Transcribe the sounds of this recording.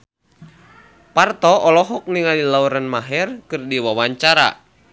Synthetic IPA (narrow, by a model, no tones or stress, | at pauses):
part̪ɔɔlɔɦɔk̚niŋadilauɾanmaɦɛrkɨrdiwawaɲt͡ʃaɾa̰